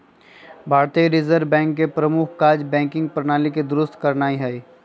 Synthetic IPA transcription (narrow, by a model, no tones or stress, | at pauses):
bʱaːɾt̪iɾɪzəɾʋbɛ̃ːŋkːepɾəmʊkʰkaːd͡ʒbɛ̃ːŋkɪ̃ŋɡ̚pɾənaːliked̪ʊɾʊst̪kəɾnaːiɦɛiː